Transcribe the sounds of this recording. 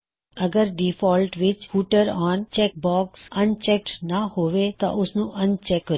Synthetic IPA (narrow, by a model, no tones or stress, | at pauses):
əɡəɾɖifɔːlʈʋɪt͡ʃfuːʈəɾɔːnt͡ʃɛk̚bɔːksənt͡ʃɛk̚ʈnahoːʋet̪ɔ̰ʔʊsnũʔənt͡ʃɛkːɾ